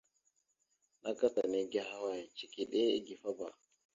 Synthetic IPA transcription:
na˦ka˦sa˨ni˦ɡʲa˦ha˦wa˦˨t͡ʃi˨ki˦ɗe˦ḭ˦ɡi˨fa˦ba˨

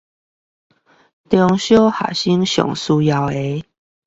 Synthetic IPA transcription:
t̪jɔ˧ŋɕjo˦ha̰˨˩ɕi˦ŋɕjɔ̰˨˩ŋsu˧ja˧we˧˦

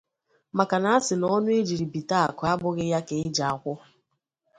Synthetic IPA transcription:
ma˨ka˨na˨˦a˦sɪ˨nɔ˦nʊ˦e˦d͡ʒi˨ɾi˨bi˨ta˦˨kʊ˨a˦bʊ˦ɣɪ˦ja˦ke˨ɪ˦d͡ʒa˨a˨kʷʊ˦

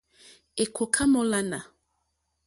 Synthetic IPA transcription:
e˨kʰo˨kʰa˦mɔ˦la˦na˨

